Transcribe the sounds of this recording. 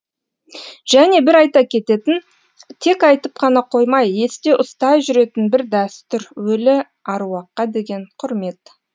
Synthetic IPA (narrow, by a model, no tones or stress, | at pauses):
ʒ̥æne̞bɪɾɑjt̪ɑkʲʰe̞t̪e̞t̪ɪn | t̪ʰe̞kɑjt̪əp̚qʰɑnɑqʰo̞jmɑje̞st̪e̞ʔʊst̪ɑjʒʏɾe̞t̪ɪnbɪɾd̪æst̪ʏɾwɵlɪ | ɑɾuɑqːɑd̪e̞ɡʲe̞ɴqʰʊɾme̞t̪